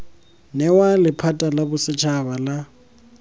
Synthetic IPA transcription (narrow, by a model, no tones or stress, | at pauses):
nɛwalɪpʰatʼalabʊsɪt͡ʃʰaβala